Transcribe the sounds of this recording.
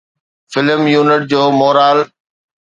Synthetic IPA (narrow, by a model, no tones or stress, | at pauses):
fɪləmjuːnɪʈ̚d͡ʑoːmoːɾaːl